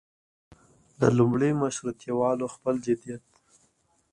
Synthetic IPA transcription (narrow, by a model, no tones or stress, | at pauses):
d̪əlumɽemaʃɾut̪jawɑloxpəld͡ʒɪd̪ijat̪̚